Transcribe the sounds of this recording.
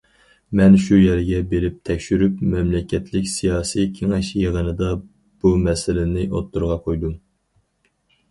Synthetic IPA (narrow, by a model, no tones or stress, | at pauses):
mɛnʃujɛɾɡʲɛbeɾɪp̚t̪ʰɛkʲʃyɾypmɛmlɪkʲʰːɛt̪ʰlɪkʲsijɑːsijkʲʰeŋɪʃjəʁənɨd̪ɑ | b̥umɛsɪlɪnɪʔot̪ʰːuɾʁɑqʰojd̪um